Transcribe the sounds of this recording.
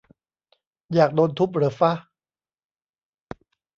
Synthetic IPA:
jaː˨˩k̚doː˧nt̪ʰu˦˥p̚ɾɤ˩˦fa˦˥˩

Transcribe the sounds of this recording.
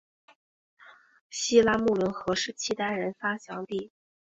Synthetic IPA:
ɕi˥la˥mu˥˩lə˧˥nxɤ˧˥ʂɻ̩˥˩t͡ɕʰi˥˩t̪a˥ɪɻə˧˥nfa˥ɕjɑ˧˥ŋt̪i˥˩

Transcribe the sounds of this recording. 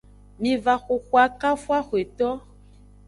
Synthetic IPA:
mĩ˨va˨xo˨xwa˨ka˦fwa˦xwe˨t̪ɔ˦

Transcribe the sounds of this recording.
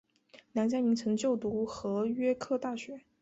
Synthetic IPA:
na˧˥nt͡ɕja˥mi˧˥ŋt͡sʰɤ˧˥ŋt͡ɕjo˥˩ʊt̪u˧˥xɤ˧˥ɥɛ˥kʰɤ˥˧t̪a˥˩ɕɥɛ˧˥

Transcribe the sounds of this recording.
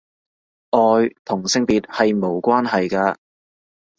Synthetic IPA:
ʔɔː˨˧jt̪ʰʊ˨˩ŋsɪ˧ŋpiː˨˧t̚hɐ˨jmo˨˧wkʷaː˥nɦɐ˨jkaː˧

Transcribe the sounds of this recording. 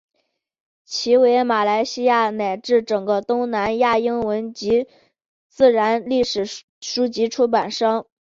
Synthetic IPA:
t͡ɕʰi˧˥we˧˥ɪma˨˩la˧˥ɪɕi˥ja˥˩na˨˩ɪʈ͡ʂɻ̩˥˩ʈ͡ʂɤ˨˩ŋɡə˦t̪ʊ˥ŋna˧˥nja˥˩i˥ŋwə˧˥nt͡ɕi˧˥ | t͡sɹ̩˥˩ɻa˧˥nli˥˩ʂɻ̩˨˩ | ʂu˥t͡ɕi˧˥ʈ͡ʂʰu˥pa˨˩nʂɑ˥ŋ

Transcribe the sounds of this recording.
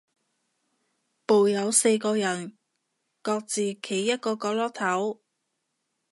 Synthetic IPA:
po˨wjɐ˨˧wse˧jkɔː˧jɐ˨˩n | kɔː˧k̚t͡siː˨kʰe˨˩jːɐ˥t̚kɔː˧kɔː˧lɔː˥k̚t̪ʰɐ˨˥w

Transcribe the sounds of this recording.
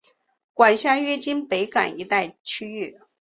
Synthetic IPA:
kwa˨˩nɕja˥˧ɥɛ˥t͡ɕi˥npe˧˥ɪka̰˨˩ni˧˥t̪a˥˩ɪt͡ɕʰy˥y˥˩

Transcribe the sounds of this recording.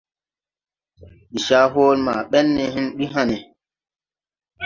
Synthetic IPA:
ɗi˨ʃa˦ɦoː˦lma˨ɓɛ˦nːɛ˨ɦĩ˦nɗi˦ɦa˦nɛ˨

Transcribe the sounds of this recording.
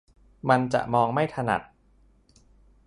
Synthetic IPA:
ma˧nt͡ɕa̰˨˩ʔmɔː˧ŋma˥˩jt̪ʰa˧na̰˨˩t̪̚

